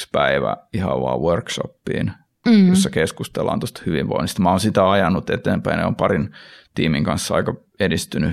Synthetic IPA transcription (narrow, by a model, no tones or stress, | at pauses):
spæiʋæ̰ihɑ̰ʋʋɑ̰ːʋʋørkʃo̰pːḭːn | jossːɑkeskust̪elːˑɑ̰nt̪ost̪ɑ̥hyʋiʋʋo̰inːist̪mɑoːnsit̪æɑjɑnːut̪et̪eːmpæinḛompɑrint̪iːmiŋkɑnsːɑɑ̰ikɑ | edist̪yny